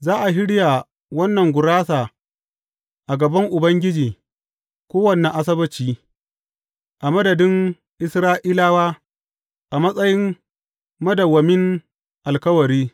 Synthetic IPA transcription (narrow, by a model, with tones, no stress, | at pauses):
zaː˦ʔa˨ɦɪ˦ɽja˨ | wɐ˦nːɐ˨ŋɡʷʊ˨ɽaː˦saː˨ | ʔa˨ɡɐ˨bɐ˦ŋʔʊ˨bɐ˦ŋɡʲɪ˦d͡ʒiː˨ | kʷoː˦wɐ˨nɛ˨ʔa˨s̬ɐ˦bɐ˦t͡ʃiː˨ | ʔa˨mɐ˦dɐ˨dɪ˦ŋ | ʔɪ˦sɾaː˦ʔiː˦laː˦waː˦ | ʔa˨mɐ˦sʼɐ˦jɪ˦m | mɐ˦dɐ˨wːɐ˨mɪ˦ŋ | ʔa˨lkɐ˦wɐ˨ɾiː˦